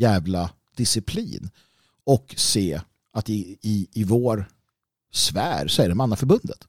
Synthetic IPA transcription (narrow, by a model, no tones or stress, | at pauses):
jɛːvla | d̪̥ɪsɪpʰlḭːn | ɔkseː | at̪ɪɪːvoːɾ | svæːɾsɔæɾɖɛmanːafœɾbɵnd̪ə̰t̪